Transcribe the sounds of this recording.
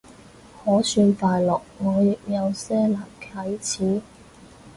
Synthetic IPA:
hɔː˨˥syː˧nt̪aː˨jlɔː˨k̚ŋɔː˨˧jɪ˨k̚jɐ˨˧wsɛː˥laː˨˩mkʰɐ˨˥jt͡sʰiː˨˥

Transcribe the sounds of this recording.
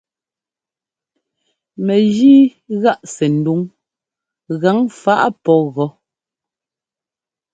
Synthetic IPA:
mɛ˨ɣiː˦ɣa˦˨ʔsɛ˨n̩˨du˦ŋ | ɣa˨˦ŋfa˦ʔpɔ˦ɣɔ˨˦

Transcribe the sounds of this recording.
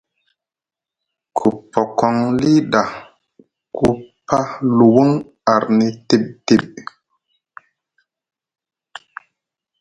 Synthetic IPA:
kʰu˨pːɔ˨kɔ˦ŋli˦ɗa˨ | ku˦pa˦lu˨wu˦ŋ | a˨ɾni˦te˦p̚te˨ɓ̚

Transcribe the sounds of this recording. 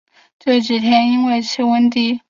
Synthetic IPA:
ʈ͡ʂɤ˥˩t͡ɕi˨˩t̪ʰjɛ˥ni˥nwe˥˧ɪt͡s̩ʰ˥˧wə˥nt̪i˥˩

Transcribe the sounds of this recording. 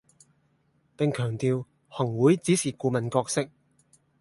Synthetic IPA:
pɪ˨˧ŋkʰœː˨˩ŋt̪iː˨˧w | hɐ˨˩ŋwuː˨˥jt͡siː˨˥siː˨˩kuː˧mɐ˨nkɔː˧k̚sɪ˥k̚

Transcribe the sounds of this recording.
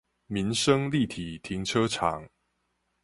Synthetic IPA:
mi˨˦nʂə˦ŋli˥˨t̪ʰi˨˩t̪ʰi˨˥˦ŋʈ͡ʂʰɤ˦ʈ͡ʂʰɑ̰˨˦ŋ

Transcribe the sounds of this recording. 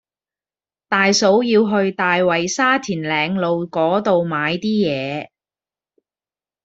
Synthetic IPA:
t̪aː˨jso˨˥wjiː˧wɦɵ˧ɥt̪aː˨jwɐ˨˩jsaː˥t̪ʰiː˨˩nlɛː˨˧ŋlo˨wkɔː˨˥t̪o˨wmaː˨˧jt̪iː˥jɛː˨˧

